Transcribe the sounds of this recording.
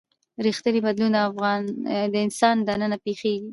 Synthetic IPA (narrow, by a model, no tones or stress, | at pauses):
ɾixt̪ənibad̪lund̪aafɣɑnd̪əɪnsɑnd̪anənapexeɡi